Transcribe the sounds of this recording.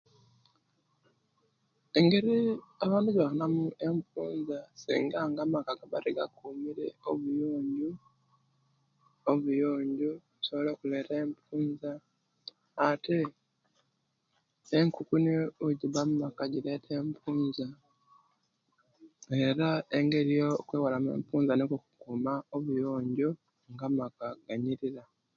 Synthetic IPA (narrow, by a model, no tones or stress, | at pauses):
eŋɡeɾiaβaːnduɟβakanamue̞mpuːnzasḭːŋɡaŋɡamakaɡaβaɾeɡa̰kuːmiɾeoβujo̞ːɲɟu | oβujoːɲɟu | usoβolekule̞teːmpuːnzaː | te | ŋkukuniuɟiβamumakaɟile̞ːtʰe̞ːmpʰuːnza | e̞ɾae̞ŋɡe̞ɾijokweːwalamḛːmpuːnzanekokukumaoβujoːɲɟo | ŋɡamakaɡ̥aɲiɾiɾa